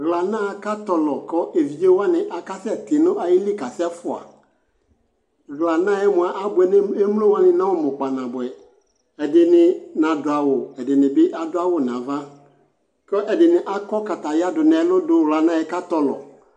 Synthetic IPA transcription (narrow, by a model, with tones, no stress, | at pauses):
ɣla˨nã˦˨ka˦tɔ˨lɔ˨kɔ˦ʔe˨vi˨e˦wa˦nɪ̃˨ʔa˨ka˦sɛ˦tɪ˨nʊ̃˦ʔa˨jɪ˦li˦ka˨sɛ˦fʊ˨a̰˨ | ɣla˨nã˦jɛ˦mʊ̃˨a˨ʔa˦bʊ˨ɛ˨n˦e˦mu˦lo˦wa˦nɪ̃˨nã˦wʊ˦mʊ˨k͡pa˨nã˨bɛ˨ | ɛ˨dɪ˨nɪ˨nã˨dʊ˨a˨wʊ˨ɛ˨dɪ˨nɪ̃˨bɪ˦ʔa˦dʊ˦a˦wʊ˨nã˨va˦ | kɔ˦ʔɛ˨dɪ˨nɪ̃˨ʔa˦kɔ˦ka˨ta˨ja˦dʊ˨nɛ̃˨˦nʊ̃˦dʊ˦ɣla˨nã˦˨jɛ˦ka˦tɔ˨lɔ̰˨